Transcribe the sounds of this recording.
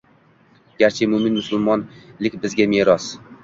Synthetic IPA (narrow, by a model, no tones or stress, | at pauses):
ɡʲaɾt͡ʃʰɪmʊmɪnmʊsʊlmɒnlɪkʲbɪzɡʲameːɾɒs